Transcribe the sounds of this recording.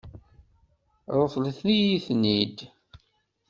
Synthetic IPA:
ɾˤofləθnijiθnid̪

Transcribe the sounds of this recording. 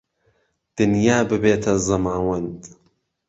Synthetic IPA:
d̪̥ɨnjaːbɨbeːt̪ʰɐzɐmaːwɐnd̪

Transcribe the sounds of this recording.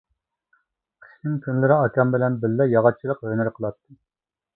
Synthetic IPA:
qʰə̥ʃnɪŋkʲʰynlɪɾɪɑkʲʰɑmbɪlɛnbɪlːɛjɑʁɑt͡ʃʰːilˠəqɦønɪɾqʰəlˠɑt̪ʰːɨ

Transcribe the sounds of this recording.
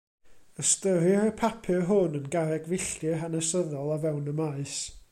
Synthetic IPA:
əstəɾirəpʰapʰɨrɦʊnənɡaɾɛɡvɪɬtjɨɦanəsəðɔlˠavɛwnəmaɨs

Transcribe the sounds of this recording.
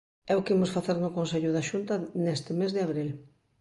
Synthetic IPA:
ɛʊkɪimʊsfaθeɾnʊkonseʎʊðaʃunt̪ɐnest̪ɪmezðɪaβɾil

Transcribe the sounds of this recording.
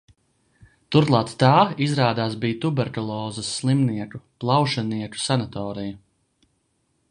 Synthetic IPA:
t̪uɾlˠɑːt̪t̪aːizɾaːd̪aːsbiːt̪ubɛɾkɔlˠɔːzɐsːlˠimniɛkuplˠɑwʃaniɛku̥sanat̪ɔːɾija

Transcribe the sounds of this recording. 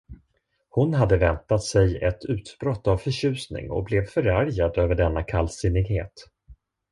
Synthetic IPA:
hʊnɦad̪ːəvɛnt̪at̪sɛjɛt̪ʰʉ̟ːt̪bɾɔt̪ːavfœɕʉ̟ːsnɪ̰ŋɔ̰blɛvfœɾaɾjad̪øːvəɖɛnːakʰalsɪnɪɡheːt̪

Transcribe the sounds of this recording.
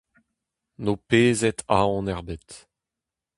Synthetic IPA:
noːpeːzɛt̪ʰaɔ̃nɛʁbet̪

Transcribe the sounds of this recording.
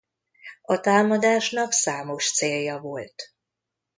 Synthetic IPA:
ɒt̪aːmɒd̪aːʃnɒksaːmo̞ʃt̪seːljːɒvolt̪

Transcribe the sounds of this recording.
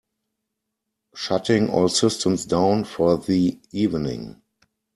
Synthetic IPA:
ʃatɪ̃ŋʔɔːlsɪstʰə̃msdãʊ̃nfɔðiiːvnɪ̰̃ŋ

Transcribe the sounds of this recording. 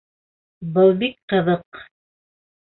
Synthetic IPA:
bɤlˠbik̚qɤ̆ðɤq

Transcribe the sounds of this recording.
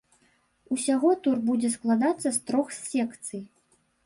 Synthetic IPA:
usʲaɣɔt̪urbud͡zʲɛsklˠad̪at̪sːɐst̪ɾɔxssʲɛkt̪sɨj

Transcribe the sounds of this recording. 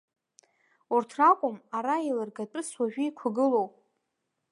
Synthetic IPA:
urtʰrakʷʼʊmaɾailɨrɡatʼɨswaʒᶣiikʷʰaɡɨlo̞wpʼ

